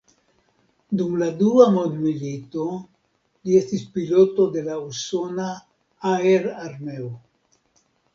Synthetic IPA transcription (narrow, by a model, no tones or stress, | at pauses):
d̪umlad̪uamond̪milit̪o̞ | lie̞st̪ispilo̞t̪o̞d̪e̞lauso̞na | aeɾaɾmeo